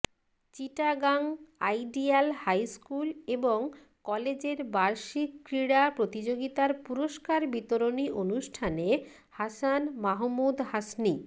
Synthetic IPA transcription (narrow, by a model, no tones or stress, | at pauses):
t͡ɕiʈaɡaŋajɖialhajskuleboŋ | kɔled͡ʑeɾbaɾʃikːɾiɽapɾot̪id͡ʑoɡit̪aɾpuɾoʃkaɾbit̪oɾoniʔonuʃʈʰane | hasanmaɦmud̪ɦasni